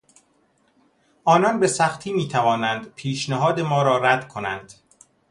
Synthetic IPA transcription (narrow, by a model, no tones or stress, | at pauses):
ʔɒːnɒnbe̞sæxt̪ʰiːmiːt̪ʰævɒːnænd̪pʰiːʃnæɦɒːd̪e̞mɒːɾɒːɾæd̪̥kʰo̞nænd̪̥